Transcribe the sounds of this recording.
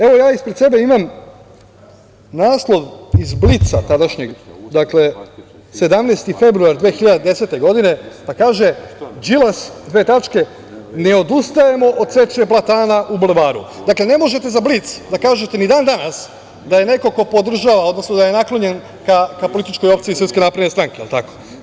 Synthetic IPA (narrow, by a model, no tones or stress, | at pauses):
e̞ʋo̞jaːispɾed̪se̞be̞imam | naːslˠo̞ʋizblit̪sa̰t̪ad̪aʃɲe̞ɡd̪akle̞ | se̞d̪amnejst̪ife̞bɾuaɾd̪ʋeːxiʎad̪ed̪e̞se̞t̪e̞ɡo̞d̪ine̞pakaːʒe̞d͡ʒilasd̪ʋeːt̪at͡ʃke̞ | ne̞o̞d̪ust̪aje̞mo̞ʔod̪̚se̞t͡ʃeplˠat̪aːnaʔublʋaːɾṵd̪akle̞ne̞mo̞ʒe̞t̪e̞zablit̪sd̪akaːʒet̪e̞nid̪aːnd̪anas | d̪aje̞ne̞ko̞ko̞po̞d̪r̩ʒaʋao̞d̪no̞snod̪aje̞naklˠo̞ɲe̞n | kakapo̞lit̪it͡ʃko̞jo̞pt̪sisɾ̩rptske̞napɾed̪nest̪ɾaːŋkeḭlˠt̪ako̥